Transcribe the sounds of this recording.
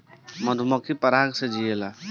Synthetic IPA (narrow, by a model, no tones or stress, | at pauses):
məd̪ʱumɔkipəɾaːɡsed͡ʒiela